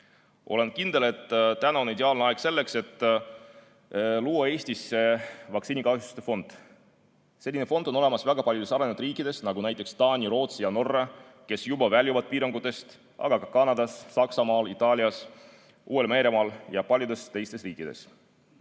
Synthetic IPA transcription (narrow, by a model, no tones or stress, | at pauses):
ʔo̞le̞nkind̪̥e̞le̞t̪ːt̪ænɑonid̪eɑːlneɑeɡ̥se̞lːe̞kse̞t̪ːˑ | luːɑe̞ːsʲt̪ise̞vɑksiːnʲikɑhjst̪u̥st̪efo̞nd̪̥ | se̞lʲːinefo̞nd̪̥o̞no̞le̞mɑsvæɡ̥ɑpɑljud̪e̞sɑɾenvut̪riːkˑːid̪̥e̞snɑɡunæjt̪ːˑekst̪ɑːnʲiɾo̞ːt̪sijɑno̞rːɑ | ke̞sjubɑvælʲjuvɑd̪̥̚piːɾɑŋɡ̥ut̪ːˑe̞st̪ | ʔɑ̰ɡ̥ɑkɑkɑnɑd̪̥ɑsːɑksɑmɑːlit̪ːˑɑːlʲiɑs | ʔuːwe̞lme̞ːɾemɑːljɑpɑlʲjud̪e̞st̪e̞jst̪e̞sriːkːˑid̪̥e̞̰s